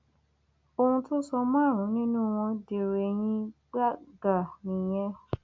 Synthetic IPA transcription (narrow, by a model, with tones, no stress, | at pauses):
o˧hũ˧to˦sɔ˧mãː˦˨ɾ̃ũ˨˦nĩ˦nũ˦w̃ɔ̃˧de˨ɾe˨j̃ĩ˦ɡ͡ba˦ɡa˨nĩ˨j̃ɛ̃˧˦